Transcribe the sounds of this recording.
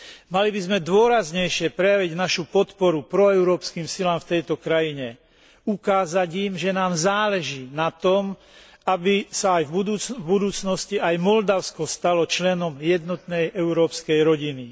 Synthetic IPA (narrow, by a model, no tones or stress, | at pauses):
malibizmɛd̪ʊɔɾazɲɛjʃɪɛpɾɛjaʋiɟnaʃupɔt̪pɔɾupɾɔɛʊɾɔːpskiːmsilaːmft̪ɛjt̪ɔkɾajiɲɛ | ukaːzaɟimʒɛnaːmzaːlɛʒiːnat̪ɔm | abisaːjvbud̪uːt͡svbud̪uːt͡snɔsciajmɔld̪aʊskɔst̪alɔt͡ʃlɛnɔmjɛd̪nɔt̪nɛjʔɛʊɾɔːpskɛjɾɔɟini